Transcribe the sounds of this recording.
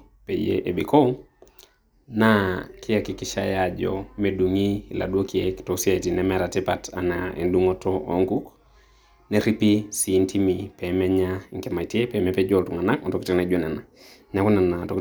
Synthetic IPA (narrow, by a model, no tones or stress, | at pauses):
pɛijḛʔɛbikʰɔ | nakʰiakikiʃajad͡ʒɔ̰mɛduŋila̰ɗuokiɛki̥tosiatinɛmɛɾatipata̰naɛ̰nduŋɔtɔɔ̰ŋkuk | nɛɾipisintimipɛmɛɲaŋkɛmaitiɛpɛmɛpɛd͡ʒɔltuŋanakɔntɔkitinad͡ʒonɛna | ɲakunanatɔk